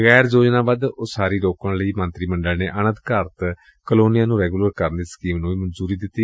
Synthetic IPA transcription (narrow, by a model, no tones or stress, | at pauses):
ɣɛːɾzoːd͡ʒnãːbad̪ʊsaːɾiːloːkəɳləiːmə̃nt̪ɾiːmə̃ɳɖəlneːʔənə̃nt̪kaːɾət̪ | kəloːnijãːnũːɾɛːɡuːləɾkəɾnd̪iːskiːmnũːiːmənzuːɾiːd̪ɪt̪ːiː